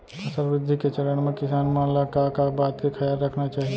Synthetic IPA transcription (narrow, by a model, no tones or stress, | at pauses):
pɐsəɾʋɪd̪ʱːiket͡ʃɐɾəɽ̃mẽkɪsaːnmãːlakakabaːt̪kikʰɐjaːlɾɐkʰnat͡ʃaːɦie